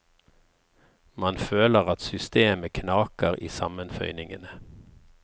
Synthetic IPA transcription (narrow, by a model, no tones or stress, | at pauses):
mɑnføːləʁɑt̪sʏst̪eːməkʰnɑːkəʁḭːsɑmənfœ̰ʏnɪŋənə